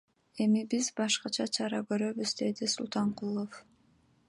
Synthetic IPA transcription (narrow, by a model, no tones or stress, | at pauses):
e̞mibizbɑʃqɑt͡ʃʰɑt͡ʃʰɑɾɑkø̞ɾø̞βyzd̪e̞d̪isulˠt̪ɑɴqulˠof